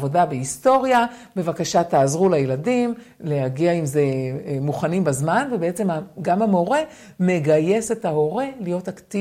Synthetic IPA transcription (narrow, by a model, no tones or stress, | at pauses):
vo̞dabeisto̞ʁjabe̞vakaʃataːzʁulajeladim | le̞ɦaɡiaimze̞muχanimbazmanvebeet͡se̞maɡamhamo̞ʁe̞ | me̞ɡaje̞se̞thaɦo̞ʁe̞lijo̞takti